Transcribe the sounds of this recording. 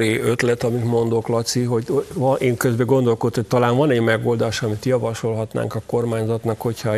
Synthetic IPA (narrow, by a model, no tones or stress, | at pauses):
ɾeːøt̪lɛt̪ɒmit̪mo̞nd̪o̞klɒt̪siɦo̞ɟovneːŋkøzbɛɡo̞nd̪o̞lkod̪ot̪hoc̚t̪ɒlaːnvɒnɛɟmɛɡo̞ːld̪aːʃɒmit̪jɒvɒʃo̞lɦɒt̪na̰ːŋkɒko̞rmaːɲzɒt̪nɒkho̞chɒ